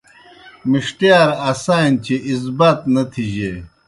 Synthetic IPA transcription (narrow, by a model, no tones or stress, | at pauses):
miʂʈjaːɾasaːnt͡ɕʰeʔis̬bɐt̪nɐt̪ʰiʑe